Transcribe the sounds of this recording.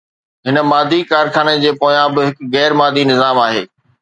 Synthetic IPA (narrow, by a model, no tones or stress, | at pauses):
ɦɪnə̆maːd̪ʱikaːɾxaːñed͡ʑeːpoːjãbɪɦɪkɣɛːɾmaːd̪ʱinɪzaːmaːɦḛː